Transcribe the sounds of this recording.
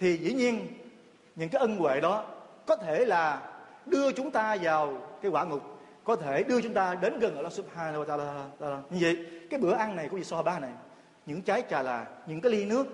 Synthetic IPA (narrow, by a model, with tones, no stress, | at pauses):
t̪ʰi˨˩zḭ˧˩ɲi˧ən | ɲɨ̰˧˥ŋkaː˨˦jʔə˧nkwḛ˧˨ɗɔ˨˦ | kɔ˨˦t̪ʰe˧˩laː˨˩ | ɗɨ˧ət͡ɕʊ˨˦ŋ͡mt̪aː˧zaː˨˩wkaː˨˦jkwaː˧˩ŋʊ˨˩k͡p̚ | kɔ˨˦t̪ʰe˧˩ɗɨ˧ət͡ɕʊ˨˦ŋ͡mt̪aː˧ɗe˨˦nɣə˨˩nʔəː˧˩ʔa˧˦˥su˦ɓhaː˧na˧wa˧t̪aː˧lːaː˧lːɲɨ˧ŋvə̰˧˨jkaː˨˦jɓɨ˧˩əʔa˧nːa˨˩jkʊ˧˦ŋ͡mvḭ˧˨sɔ˧˩ɓaː˧na˨˩j | ɲɨ̰˧˥ŋt͡ɕaː˨˦jt͡ɕaː˨˩laː˨˩ɲɨ̰˧˥ŋkaː˨˦li˧nɨ˦˥ək̚